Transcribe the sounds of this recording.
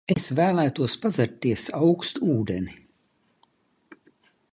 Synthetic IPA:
esvæːlˠæːt̪uɔspazaɾt̪ːiɛsawkst̪uːd̪eni

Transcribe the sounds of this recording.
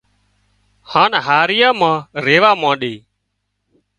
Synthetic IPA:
haːnɦaːɾɪjãːmãːɾeːʋaːmãːɗeː

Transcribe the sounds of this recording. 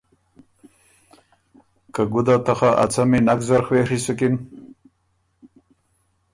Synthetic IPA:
kaɡud̪at̪axaʔa̰t͡saminakzaɾxweɾisukin

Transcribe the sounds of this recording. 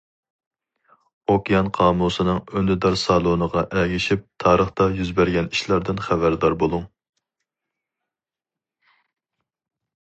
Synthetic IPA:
okʲijɑnqʰɑːmusɨnɨŋønɪd̪ɑɾsɑlˠonəʁɑʔɛɡʲiʃip̚t̪ʰɑːɾəχt̪ɑjyzbæɾɡʲɛniʃlˠɑɾd̪ɨnχævæɾd̪ɑɾbolˠuŋ

